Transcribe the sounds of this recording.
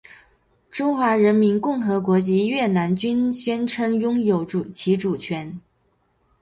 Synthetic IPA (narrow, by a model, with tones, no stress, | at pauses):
ʈ͡ʂʊ˥ŋxwa˧˥ɻə˧˥nmi˧˥nkʊ˥˩ŋxɤ˧˥kwɔ˧˥t͡ɕi˧˥ɥɛ˥˩na˧˥nt͡ɕy˥nɕɥɛ˥nʈ͡ʂʰɤ˧˥ŋjʊ˥ŋjo˧˩ʊʈ͡ʂu˨˩t͡ɕʰi˧˥ʈ͡ʂu˨˩t͡ɕʰɥɛ˧˥n